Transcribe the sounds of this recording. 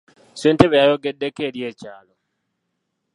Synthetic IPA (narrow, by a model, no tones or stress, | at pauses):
sweːnteβejajoɡedːekeːɾjeːcaːlo